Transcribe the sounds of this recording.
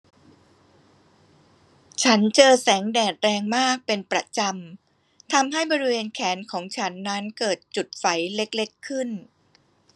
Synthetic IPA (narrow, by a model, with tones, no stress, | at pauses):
t͡ɕʰa˦˥nt͡ɕɤː˧sɛː˩˦ŋdɛː˨˩t̪̚ɾɛː˧ŋmaː˥˩k̚pe˧npɾa˧t͡ɕa˧m | t̪ʰa˧mɦa˥˩jbɔː˧ɾi˦˥weː˧nkʰɛː˩˦nkʰɔː˩˦ŋt͡ɕʰa˦˥nːa˦˥nkɤː˨˩t̪̚t͡ɕu˨˩t̪̚fa˩˦jle˦˥k̚le˦˥kʰːɯ˥˩n